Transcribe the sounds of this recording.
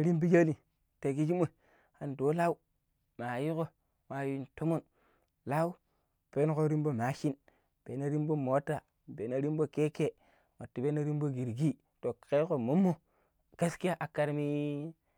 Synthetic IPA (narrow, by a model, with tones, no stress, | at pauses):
ɾi˦mbi˦d͡ʒa˦li˨ | te˨ɡi˦d͡ʒi˦mo˨ | a˨ndo˨˦la˦u˦ | ma˨ji˦ko˨ | wa˨ji˦nto˦mo˦˨n | la˦u˦ | pe˦n˦ko˦ɾi˦mbo˦ma˨˦ʃi˦n | b̥e˨˦na˦ɾi˦mbo˦mo˨˦tːa˨ | be˨˦na˨ɾi˦mbo˦ke˦ke˦ | wo˨tːi˨be˦na˦ɾi˦m˦bo˦ɡi˨ɾɡi˦ | to˨ke˦ko˨mo˦mːo˦˨ | ɡa˦ski˦ja˦ʔa˨kːa˨ɾmi˦